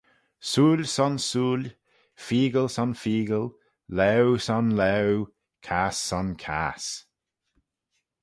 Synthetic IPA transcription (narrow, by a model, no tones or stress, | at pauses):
suːlʲsɔnsuːlʲ | fiːɡəlsɔnfiːɡəl | lɛwsɔnlɛw | kʰasːɔnkʰa̰s